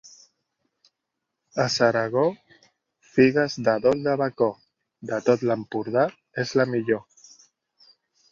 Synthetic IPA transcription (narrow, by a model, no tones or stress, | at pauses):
əsəɾaɣ̞o | fiɣazd̪aðold̪əβako | d̪ət̪ot̪ləmpuɾð̞a | ezlamiʎo